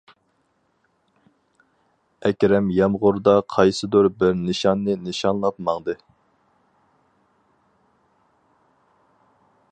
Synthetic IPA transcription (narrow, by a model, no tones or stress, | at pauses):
ɛkʲɾɛmjɛmʁʊɾd̪ɑqʰɑjsɨd̪oɾbɪɾnɨʃɑnːɨnɨʃɑnlˠɑt̪mɑŋd̪ɨ